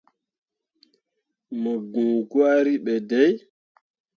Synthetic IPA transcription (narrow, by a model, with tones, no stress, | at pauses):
mə˨ɡũː˨ɡwa˦ɾi˦ɓɛ˨dɛ˦j